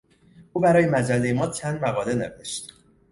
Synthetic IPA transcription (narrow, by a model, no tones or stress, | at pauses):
ʔuːbæɾɒːje̞mæd͡ʒælːe̞jemɒːt͡ʃʰænd̪mæɣɒːle̞neveʃt̪